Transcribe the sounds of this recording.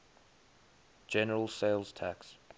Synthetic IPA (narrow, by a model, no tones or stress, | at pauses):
d̥d͡ʒ̥ɛnəɹəlˠseɪlˠz̥tʰaks